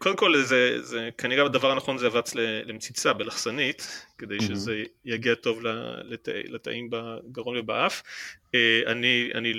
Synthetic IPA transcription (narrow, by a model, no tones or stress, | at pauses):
kod̪emko̞lzezekaniʁebadavaʁanaχo̞nzeavat͡slelemt͡sit͡sabelaχsanitked̪e̞jʃezejaɡiato̞vla̰leta̰lat̪a̰ʔimbaɡaʁo̞nvebaʔafea̰nia̰ni